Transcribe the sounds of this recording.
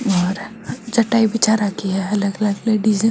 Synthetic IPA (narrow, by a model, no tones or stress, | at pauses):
ɔːɾ | d͡ʒɐʈaːibɪt͡ʃaɾakiɛɐləɡɐləɡleɖizẽ